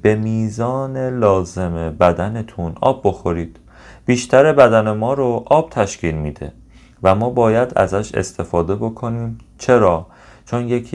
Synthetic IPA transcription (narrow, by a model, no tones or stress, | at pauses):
b̥e̞miːzɒːne̞lɒːze̞mebæd̪ænet̪ʰunɒ̰ːbːo̞xo̞ɾiːd̪̥ | b̥iːʃt̪ʰæɾe̞bæd̪æne̞mɒːɾoʔɒːb̥̚t̪ʰæʃkcʰiːlmid̪e̞̰ | væmɒːbɒːjæd̪æ̰zæʃḛst̪ʰe̞fɒːd̪e̞bo̞kʰo̞niːm | t͡ʃʰe̞ɾɒː | t͡ʃʰonjekʰ